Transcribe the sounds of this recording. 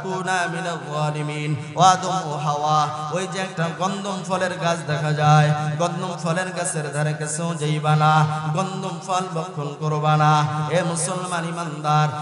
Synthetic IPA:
kunaminɐɡwaːlimin | wad̪ɔmoɦawaojd͡ʒɛk̚ʈaɡɔnd̪ompʰɔleɾɡasd̪ɛkʰad͡ʒajɡɔnd̪ɔmpʰɔleɾkasʰeɾd̪ʱɔɾẽkesew̃d͡ʒejbanaɡɔnd̪umpʰɔlbɔkʰːonkɔɾobanaemusɔlmanimand̪aɾ

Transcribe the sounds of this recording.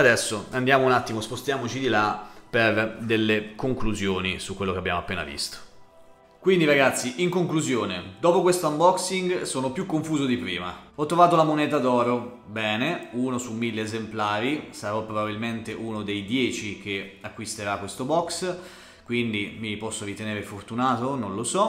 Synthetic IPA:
ad̪ɛsːoand̪jaːmounat̪ːimospost̪jaːmot͡ʃid̪ilaperd̪elːekoŋkluzjoːnisukːwelːokeabːja̰ːmoapːeːna̰vḭst̪o̥ | kwind̪iɾaɡat̪sːiʔiŋkoŋkluzjoːned̪ɔːpokwest̪oambɔksiŋɡsoːnopjukːoɱfuːzod̪ipɾiːma̰ɔt̪ːɾovaːt̪olamonɛːt̪ad̪ɔːɾo | bɛːneuːnosumːilːeːzemplaːɾisaɾɔpːɾobabilment̪eʔunod̪ejd̪jɛːt͡ʃik̟eakːwist̪eɾakːwest̪obɔks | kwind̪imipɔsːoɾit̪eneːɾefort̪unaːt̪ononlosɔ

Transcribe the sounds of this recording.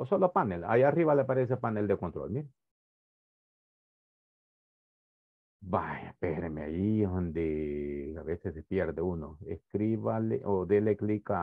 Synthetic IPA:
osolopanela̰iariβaleapaɾes̬epaneld̪ekont̪ɾo̰lmiɾe | bajapeɾemea̰jiond̪eaβesesepjeɾðeuno̰ḛskɾiβalḛʔoðeleklika

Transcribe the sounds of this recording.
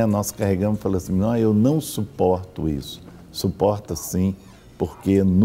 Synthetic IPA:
nɔskaɦeɡɐ̃mʊzfaloasĩɔ̃ewnɐ̃w̃supɔɾt̪ʊḭsʊ̥ | supɔɾt̪asĩ | poɾken

